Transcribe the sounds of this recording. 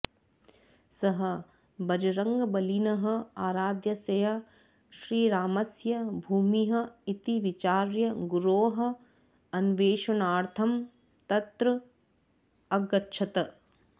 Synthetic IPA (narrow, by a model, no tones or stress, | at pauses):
sɐɦɐ̆ | bɐd͡ʒɐɾɐŋɡɐbɐlinɐɦɐ̆aːɾaːd̪jɐsɐjɐ | ʃɾiːɾaːmɐsjɐbʱuːmiɦɐ̆it̪iʋit͡ʃaːɾjɐɡuɾoːɦɐ̆ | ɐnʋeːʃɐnaːɾt̪ʰɐm | t̪ɐt̪ɾɐ | ɐɡɐtːʃʰɐt̪ɐ